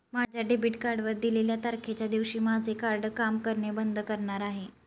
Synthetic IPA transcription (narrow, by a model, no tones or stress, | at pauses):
mad͡ʑʱjaɖebiʈkaɾɖʋəɾd̪ileljat̪aɾkʰet͡ɕjad̪iʋɕiːmad͡zʱekaɾɖkamkəɾɳebənd̪ʱəkəɾɳaɾaɦe